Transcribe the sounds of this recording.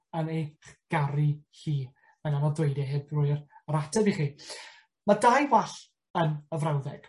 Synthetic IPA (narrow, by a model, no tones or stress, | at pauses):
ənejχɡ̥aɾihiː | mənanɔdwejdɛɦɪbrʊɨrɾatʰɛbiχiː | madajwaɬ | ənəvrawðɛɡ̥